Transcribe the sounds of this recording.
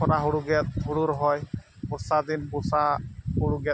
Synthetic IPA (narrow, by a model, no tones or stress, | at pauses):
ɔɾaɦuɽuɡɛt̪̚huɽuɾɔɦɔjpuɾsad̪inpusahuɽuɡɛt̪̚